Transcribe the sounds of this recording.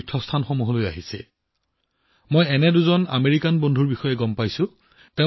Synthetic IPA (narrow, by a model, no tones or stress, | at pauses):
tʰːɔstʰanxomuɦoloja̰ɦisɛ̰ | mojɛnɛduzɔna̰meɹikanbondʱuɹbixɔjɛɡɔmpajsʊ̃ | tẽ